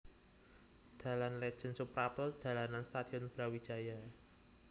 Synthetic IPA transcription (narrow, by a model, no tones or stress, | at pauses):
d̪̥ä̤lanled̥ʒ̥ə̤nsupɾapəld̪̥a̤lananst̪ad̪̥i̤ɔnb̥ɾawid̥ʒ̥a̤ja